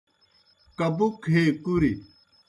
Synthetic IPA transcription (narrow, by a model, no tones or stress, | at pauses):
kɐbukʰeːkuɾi